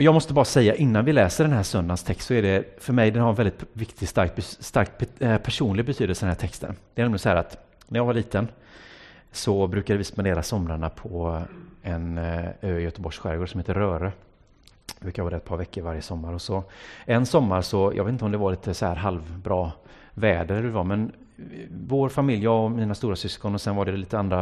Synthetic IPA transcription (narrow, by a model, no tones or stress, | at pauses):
ɔjɑːmɔst̪əbɑːɾasɛjːaʔɪnːanvɪlɛːsəɖɛnɦæːsœnd̪anst̪ʰɛkst̪sɔɛɖɛfœɾmɛjd̪ɛnhaɾɛnvɛlɪt̪vɪkt̪ʰɪɡst̪aɾkt̪̚bst̪aɾk̚t̪ppʰæʂuːnlɪɡ̚bɛt̪ʰyːd̪əlsəd̪ɛnæːʈ̪ʰɛkst̪ʰə̰nd̪̥ɛɾnɛmlɪɡsɔæːɾat̪ | næɾjɑːvaɭiːt̪ən | sɔbɾʉ̟ːkad̪əvɪspand̪eːɾasɔmɾaɳapʰɔ | ɛnøːɪjœt̪əbɔʂɧæ̰ɾɡoʂɔmheːt̪əɾœːɾə | ʉ̟kːavɑːd̪ɛt̪̚pʰɑːɾvɛkʰːəɾvaɾjəsɔmːaɾɔsɔɛnsɔmːaɾsɔjɑ̰ɡveːt̪ɪt̪ɔmd̪ɛvaɭiːt̪əsɔhæ̰ːɾɦalvbɾɑː | vɛːd̪əɾɖvɑmɛn | voːɾfamɪljaɔmiːnast̪uːɾasʏskɔnɔsɛnvaɖɛliːt̪əand̪ɾa